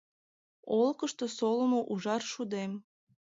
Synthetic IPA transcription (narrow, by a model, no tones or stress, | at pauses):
olkəʃt̪osoləmoʔuʒɑrʃud̪em